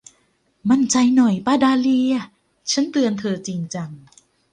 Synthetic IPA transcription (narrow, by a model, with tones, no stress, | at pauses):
ma˧˥˨nt͡ɕa˧jnɔ˨˩jpaː˧˩daː˧li˧ɐ˧˩ | t͡ɕʰa˦˥nt̪ɯ˧ənt̪ʰɤː˧t͡ɕi˧ŋt͡ɕa˧ŋ